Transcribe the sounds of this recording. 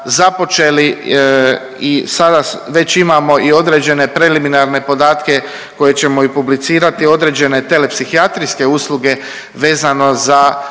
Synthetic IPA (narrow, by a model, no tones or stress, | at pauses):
zapo̞t͡ʃe̞li | isad̪aʋe̞t͡ɕimamo̞ʔio̞d̪ɾe̞d͡ʑe̞ne̞pɾe̞liminaɾne̞po̞d̪aːt̪ke̞ | ko̞je̞t͡ɕe̞moipublit̪siːɾat̪io̞d̪ɾe̞d͡ʑe̞ne̞t̪e̞le̞psixiat̪ɾiske̞uːslˠuɡe̞ | ʋe̞ːzano̞za